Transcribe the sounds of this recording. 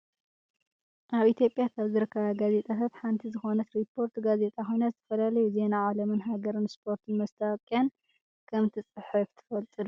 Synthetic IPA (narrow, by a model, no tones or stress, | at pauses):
ʔaβʔit̪ʰjo̞pʼːjakʰaβzɨɾɨkʰːɐβaɡaze̞t̪ʼat̪ʰat̪ħant̪ʰizɨxo̞nɐt̪ɾipʰːo̞ɾt̪ɡaze̞t̪ʼaxo̞jnazɨt̪ʰɐ̥fɐlalɐjuze̞naʕalɐmɨnɦaɡɐɾɨnspʰo̞ɾt̪ʰɨnmɐst̪ʰawkʼjan | kʰɐmt̪ʰɨt͡sʼɨħɨft̪ʰɨ̥fɐlt̪ʼɨlu